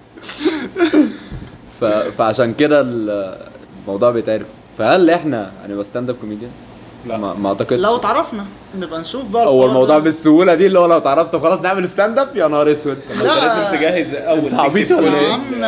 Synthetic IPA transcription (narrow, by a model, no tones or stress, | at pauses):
fæfæʕaʃæːnked̪æl | elmɑwd̪ˤuːʕbejet̪ʕeɾef | fæhælːʔeħnæja̰nibæst̪ænd̪æb̚komiːd̪jæns | mæ̰mɑʕt̪ɑkelæwt̪ʕɑɾˤɑfnɑʔenːbænʃuːfbɑˤowːælmɑwd̪ˤuʕbesːohuːlæd̪iːelːihowælæwet̪ʕɑɾˤɑft̪xɑlɑːsˤneʕmelest̪ænd̪æbjænɑɾˤeswet̪læːzemt̪eɡæhezʔæːæɑbiːt̪wælææeː